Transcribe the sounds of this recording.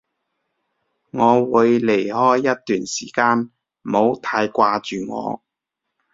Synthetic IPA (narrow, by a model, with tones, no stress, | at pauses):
ŋɔː˨˧wuː˨˧jle˨˩jhɔː˥jːɐ˥t̚t̪yː˨nsiː˨˩kaː˧n̩˨ | mo˨˧wt̪ʰaː˧jkʷaː˧t͡ʃyː˨ŋɔ̰ː˨˧